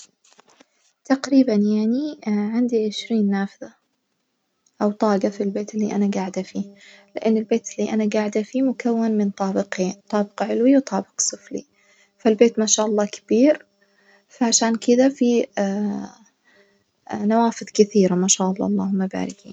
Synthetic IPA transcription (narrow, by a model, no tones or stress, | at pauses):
t̪aqɾiːbanjaʕniʕɪnd̪iʕɪʃɾiːnːaːfɪða | ʔawt̪ˤɑːɡafilbeːt̪ɪlːḭːʔanaɡaːʕɪd̪afiːlɪʔɪnːɪlbeːt̪ɪlːiːʔanaɡaːʕɪd̪ʔafiːmʊkawːanmɪnt̪ˤɑːbɪqeːnt̪ˤɑːbɪqɑʕɪlwiwt̪ˤɑːbɪ̥qsˤɨflḭ | falbeːt̪maʃaːʔɑlˤːɑːkḁb̥iːɾ | faʕaʃaːnkɪd̪afi | nawaːfɪðˤkɪθiːɾamaʃaːʔɑlːɑ̰ʔɑlˤːɑ̰ːhʊmːaba̰ːɾɪkḭːn